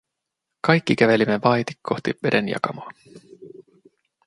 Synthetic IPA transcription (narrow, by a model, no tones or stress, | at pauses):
kɑjkːik̟æʋe̞limːeʋɑjt̪i̥kkʰːo̞xt̪iʋe̞de̞njɑ̰kɑmoɑ